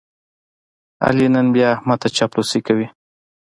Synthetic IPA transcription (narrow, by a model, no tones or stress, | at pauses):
a̰linənbjɑmɑt̪at͡ʃɑplosikawi